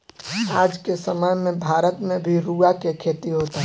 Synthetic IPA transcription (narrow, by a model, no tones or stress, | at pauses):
aːd͡ʒkesəməjmẽbʱaːɾət̪mẽbʱiɾuːakekʰeːt̪iɦoːt̪aɦ